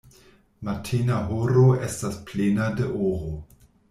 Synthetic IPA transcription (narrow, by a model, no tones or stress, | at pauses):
matʰinaɦoɾoestasplenadeʔoɾo